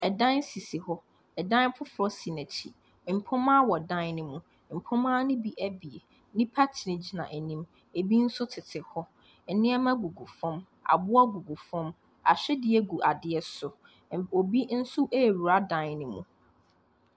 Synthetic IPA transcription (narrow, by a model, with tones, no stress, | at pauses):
ɛ˨dã˦nsi˨si˨hɔ˦ | ɛ˨dã˦npʰʊ˦fʊ˨ɾɔ˦si˨næ˨t͡ɕʰḭ˨ | m̩˨pʰʊ̃˦mã˦wɔ˨dã˦nnɪ̃˦mũ˦ | m̩˨pʰʊ̃˦mãː˦nɪ̃˦bi˦ʔæ˦bi˨e˨ | nɪ̃˦pʰa˦tʰi˨nɪ̃˨d͡ʑi˨nã̰˨ʔæ˨nĩ˦m | e˨bi˦n̩˦sʊ˦tʰɪ˨tʰɪ˨hɔ˦ | ɛ˨nɪ̃˦ɛ˦mã˦ɡu˨ɡu˨fɔ̃˦m | a̰˨bʊ˦a˦ɡu˨ɡu˨fɔ̃˦m | a̰˨ɕᶣɛ˦dɪ˨ɛ˨ɡu˨ʔa˨dɪ˨˦ɛ˦sʊ˨ | o˨bi˦n̩˦sʊ˦ʔe˦˨ɾu˨ɾa˦dã˨nnɪ̃˦mṵ̃˨